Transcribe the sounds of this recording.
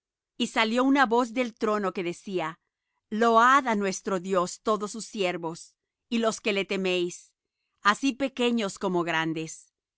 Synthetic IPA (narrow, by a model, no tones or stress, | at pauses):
isaljo̞unaβo̞z̬ðe̞lt̪ɾo̞no̞ke̞ðe̞sia | lo̞aðanwe̞st̪ɾo̞ðjo̞st̪o̞ðosusje̞ɾβo̞s | ilo̞ske̞le̞t̪emejs | asipe̞ke̞ɲo̞sko̞moɣɾand̪e̞s